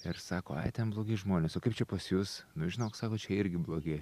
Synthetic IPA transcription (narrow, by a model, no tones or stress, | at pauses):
ɪɾsɑːkoːɐ̰ɪt̪ʲɛnblˠoːɡʲɛɪʒmoːnʲeːsoːkɐɪpt͡ʃʲɛpɐsjusnʊʒʲɪnoːksɑːkoːt͡ʃʲɛɪɾʲɡʲɪblˠoːɡʲɛɪ